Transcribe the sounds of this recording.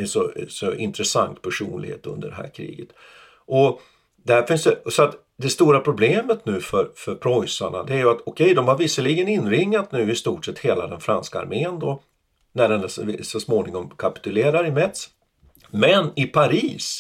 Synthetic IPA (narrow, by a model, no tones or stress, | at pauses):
ɛsɔsɔɪ̰nt̪ɾɛsa̰ŋt̪pʰæʂuːnlɪ̰ɡhḛːt̪ɵ̰nd̪ə̰ɖɛɦæ̰ːɾkʰɾḭːɡət̪ | ʔɔ | d̪ɛhæɾfɪnsɛsɔat̪ | d̪ɛst̪uːɾapʰɾʊbleːmət̪nʉ̟ːfœɾfœɾpʰɾɔjsaɳa̰d̪ɛæɾjɵat̪ɔkʰɛjd̪ɔmhaɾvɪsəliɡənɪnːɾɪŋːat̪nʉ̟ːɪst̪uːʈʂɛt̪ːheːlad̪ɛnfɾanskaa̰ɾmeːənd̪ɔ | næɖɛnssɔsmoːnɪŋɔmkʰapɪ̥t̪ɵleːɾaɾɪmɛt̪s | mɛnɪpʰaɾiːs